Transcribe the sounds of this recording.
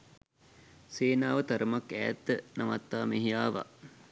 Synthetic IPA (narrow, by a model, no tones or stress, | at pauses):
seːnaːʋət̪ɐɾəmakæːt̪ːənɐmat̪ːaːmeɦijaːʋa̰